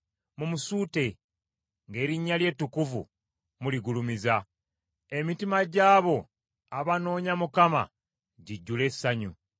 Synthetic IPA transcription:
mumusuːte̞ | ŋɡe̞ːɾiɲːalje̞tːukuvṵ | muliɡulumiza | e̞mitimaɟaːβo̞ | aβano̞ːɲamukama̰ | ɟiɟːule̞sːaɲu

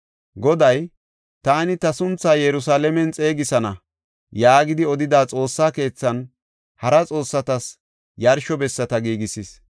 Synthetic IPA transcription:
ɡɔd̪ɐj | t̪aːnɪt̪ɐsʊnt͡sːaːjɛɾʊsaːlɛmɛnt͡sʼe̞ːɡɪsɐnɐ̰ | jaːɡɪd̪ɪɔd̪ɪd̪aːt͡sʼo̞ːsːaːke̞ːt͡sːɐn | hɐɾɐt͡sʼo̞ːsːɐt̪ɐs | jɐɾʃɔbɛsːɐt̪ɐɡiːɡɪsɪs

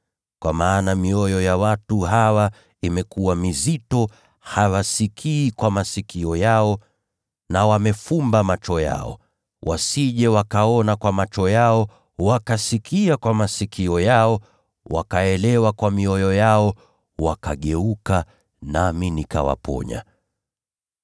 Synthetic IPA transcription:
kwa̰maːnamiɔjɔjawatuɦawa | imɛkuwamizitɔ | hawasikʰiːkwamasikiɔjaɔ | nawamɛfumbamat͡ʃɔja̰ɔ̰ | wʔasiʄɛwakaɔnakwamat͡ʃɔjaɔ | wakasikʰiakwamasikʰiɔjaɔ | wa̰kaɛlɛwakwamiɔjɔjaɔ | wakaɠɛuka | naminika̰wa̰pɔ̰ɲa̰

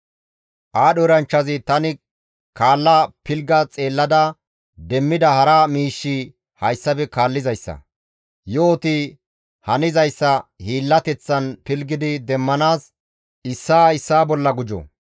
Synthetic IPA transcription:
ʔaːɗɔɾɐnt͡ʃːɐzɪt̪ɐnɪ | kaːlːapɪlɡɐt͡sʼe̞ːlːɐd̪ɐ | d̪ɛmːɪd̪ɐhɐɾaːmiːʃːi | hɐjsːɐbɛkaːlːɪzɐjsːɐ̰ | joːt̪i | hɐnɪzɐjsːɐhiːlːɐt̪ɛt͡sːɐnpɪlɡɪd̪ɪd̪ɛmːɐnaːs | ɪsːaːɪsːaːbɔlːɐɡʊd͡ʒɔ̰

